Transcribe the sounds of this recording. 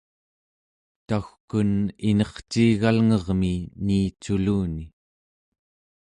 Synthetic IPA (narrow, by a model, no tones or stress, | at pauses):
t̪axkuninʌχt͡ʃiːɣalŋʌʁminiːt͡ʃuluːni